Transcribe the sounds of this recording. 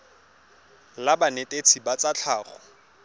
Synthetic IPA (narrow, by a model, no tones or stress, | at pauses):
labanetʼet͡sʰibat͡sat͡ɬʰaːχɔ̰